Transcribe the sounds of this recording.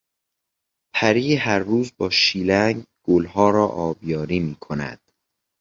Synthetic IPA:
pʰæɾiːɦæɾːuːzbɒːʃiːlæŋɡɡ̥olɦɒːɾɒːʔɒːbjɒːɾiːmiːkʰonæ̰d̪̥

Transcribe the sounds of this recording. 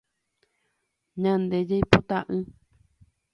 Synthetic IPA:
ɲãnd̪ed͡ʒejpot̪aʔɨ̃

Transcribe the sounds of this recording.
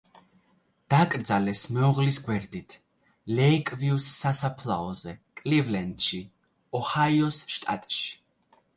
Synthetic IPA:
d̪̥akʼɾd̪zalɛsmɛɔʁlisɡwɛɾd̪it̪ʰ | lɛikʼviusːasapʰla̰ɔzɛkʼlivlɛnd̪ʃi | ɔhajɔsʃt̪ʼa̰t̪ʼʃi̥

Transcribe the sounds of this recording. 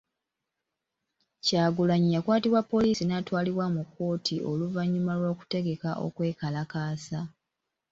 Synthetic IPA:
caːɡulaɲijakwaːtiβwapːo̞liːsinatwaːliβwamukʰːo̞ːtʰiʔo̞luvaɲːumalwo̞ːku̥te̞ɡe̞kaʔo̞̰kwe̞ːkalakaːsa

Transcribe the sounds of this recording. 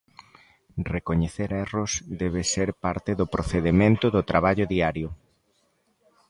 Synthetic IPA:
rekoɲeθeɾɛrʊsd̪ɛβeseɾpaɾt̪eðʊpɾoθeðemẽnt̪ʊðʊt̪ɾaβaʎʊðiaɾjʊ

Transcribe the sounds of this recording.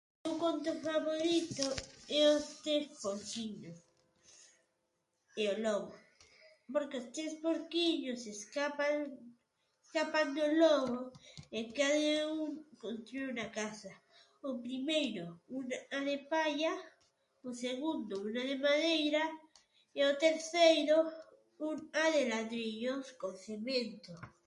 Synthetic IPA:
okont̪ofaβoɾit̪oeost̪ɾespoɾkiɲos | eoloɣo | poɾkeost̪ɾespoɾkiɲoseskapa | eskapand̪oloɣoekaðauŋkont̪ɾounakasa | opɾimejɾounaðepaʎa | oseɣund̪ounaðemaðejɾa | eot̪eɾθejɾo | unaðelaðɾiʎoskonsemẽnt̪o

